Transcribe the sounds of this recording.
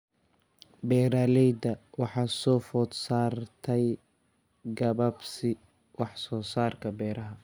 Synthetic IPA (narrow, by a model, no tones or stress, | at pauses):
bɛːɾaːlɛjd̪ɐwɑħɑːsɔːfɔd̪saːrt̪ʰɛj | ɡɐβɐbsɪ | wɑħsɔːsaːrkʰɐbɛːɾɐɦɐ